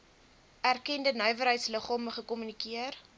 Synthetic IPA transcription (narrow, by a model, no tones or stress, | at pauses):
ærkɛndənœɥvəɾɦəjtsləχɔməχəkɔmynikiər